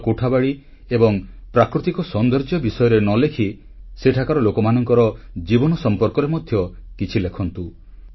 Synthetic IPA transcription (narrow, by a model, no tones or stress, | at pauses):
koʈʰabaɭi | ebɔŋ | pɾakɾut̪ikɔsɔnd̪ɔɾd͡ʒɔbisɔjɔɾenɔlekʰi | seʈʰakaɾɔlokɔmanɔŋkɔɾɔ | d͡ʒibɔnɔsɔmpɔɾkɔɾemɔd̪ʱjɔkit͡ʃʰilekʰɔnt̪u